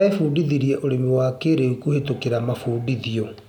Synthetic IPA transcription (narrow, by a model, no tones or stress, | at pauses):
efuːdiðiɾiɛʔoɾemewaːkeɾeukuhetokeɾamafuːdiðiɔ